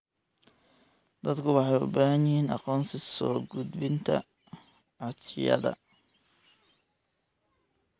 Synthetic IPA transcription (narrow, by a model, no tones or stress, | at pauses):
d̪ɐd̪kʰʊwɑħɑjʊ̰baːhɐnɪhiːnɑqɔːnsɪsɔːɡʊd̪bɪnt̪ʰɐ̰ | ʕɑd̪sɪ̰jɐ̰ðɐ̰